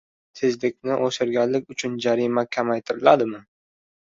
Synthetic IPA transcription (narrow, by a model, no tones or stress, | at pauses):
sɪzlɪkʲnɪʔoʃɪɾɡʲanlɪkʲʊt͡ʃʰʊnd͡ʒaɾimakʲʰamajt̪ʰɪɾɪlad̪ɪmɪ